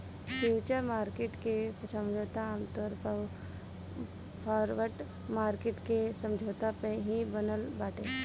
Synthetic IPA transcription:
fʰjuːt͡ʃəɾmaːɾkeʈkepsə̃md͡ʒʱoːt̪aamt̪ɔɾpə | pʰɔːɾʋəʈ | maːɾkeːʈkesə̃md͡ʒʱoːt̪apẽɦibənəlbaːʈẽː

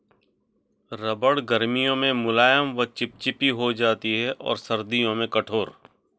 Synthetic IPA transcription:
ɾɐbəɽɡɐɾmijõmẽmʊlaːjəmʋɐt͡ʃɪp̚t͡ʃɪpiɦod͡ʒaːt̪iɦɛʔɔ̰ːɾsɐɾd̪ijõmẽkɐʈʰoːɾ

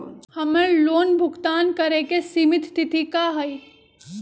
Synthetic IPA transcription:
hɐmeloːnbʱʊɡt̪aːnkɐɾekesiːmɪt̪t̪ɪt̪ʰikaɦɐi

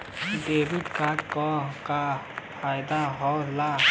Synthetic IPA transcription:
d̪eːbit̪kakɔkapʰaːjd̪aɦɔla

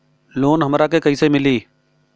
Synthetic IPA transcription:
loːnɦəmɾaːkeːkəiːseːmɪliː

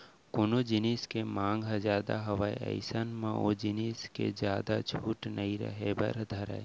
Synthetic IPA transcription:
kʊnod͡ʒɪniskemãːŋɡzaːd̪aɦɐʋaiə̰ɪsanmãod͡ʒiniːskḛd͡ʒjaːd̪at͡ʃʰuːʈnəiɾə̰ɦebɐ̰ɾd̪ʱɐɾa̰e

